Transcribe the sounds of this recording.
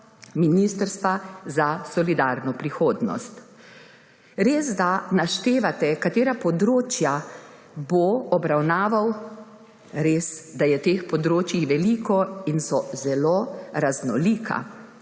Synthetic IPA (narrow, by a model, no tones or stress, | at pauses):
miniːst̪əɾst̪ʋazasɔlid̪aːɾnɔpɾixoːd̪nɔ̰st̪ | ɾeːzd̪anaʃt̪eːʋat̪ɛkat̪eːɾapɔd̪ɾoːt͡ʃja | boɔbɾawnaːʋaw | ɾeːsd̪ajɛt̪eːxpɔd̪ɾoːt͡ʃjiʋɛliːkɔinsɔzɛloɾaznɔ̰liːkʰa̰